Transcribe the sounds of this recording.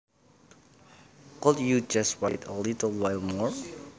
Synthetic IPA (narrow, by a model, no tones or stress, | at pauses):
kɔtjud͡ʒaswajtəlitəlˠwajlˠmɔɹ